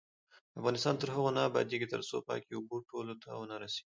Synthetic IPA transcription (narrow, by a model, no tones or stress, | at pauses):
afɣɑnɪst̪ɑnt̪əɾɦəɣonɑbɑ̰d̪eɡit̪ə̰ɾso̰pɑ̰keʊboʈʰolot̪ʰawənaɾase̥ɡi